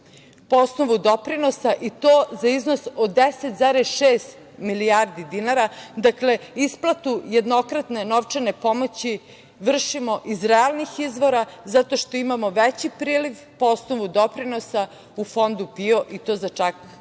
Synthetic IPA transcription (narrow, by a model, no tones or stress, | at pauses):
poosnoʋud̪opɾino̞saʔit̪oːzaiznosodd̪eset̪zaɾesʃeːst̪ | milijaɾd̪id̪inaɾad̪akle̞isplˠat̪uje̞d̪no̞kɾat̪ne̞noʋt͡ʂene̞po̞mo̞t͡ɕi | ʋr̩ʃimo̞ʔizɾealˠnixizʋo̞ɾazat̪o̞ʃt̪o̞imamoʋet͡ɕipɾiːliʋ | poosnoʋud̪opɾino̞sa | ufo̞nd̪upio̞ʔit̪o̞ːzat͡ʂak